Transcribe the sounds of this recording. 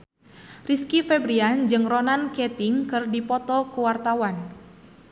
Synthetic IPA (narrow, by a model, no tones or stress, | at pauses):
riskifɛbɾiand͡ʒɨŋronankɛt̪iŋkɨrdipɔt̪ɔkuwart̪awan